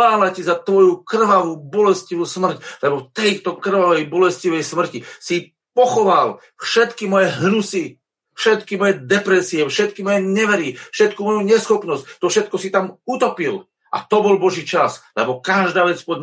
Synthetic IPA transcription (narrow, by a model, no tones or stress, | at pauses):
aːlajcizat̪ʋɔjukr̩ʋaʋuːbɔlɛsciʋusmr̩clɛbɔft̪ɛjt̪ɔkr̩ʋaʋɛjbɔlɛsciʋɛjsmr̩cisi | pɔxɔʋal | fʃɛt̪kimɔjɛɦnusi | fʃɛt̪kimɔjɛd̪ɛpɾɛsiɛfʃɛt̪kimɔjɛɲɛʋɛɾifʃɛt̪kumɔjuɲɛsxɔpnɔsct̪ːɔfʃɛt̪̚kɔsit̪amut̪ɔpil | ʔa̰t̪ɔbɔlbɔʒiːt͡ʃaslɛbɔkaʒd̪aːʋɛt͡spɔd̪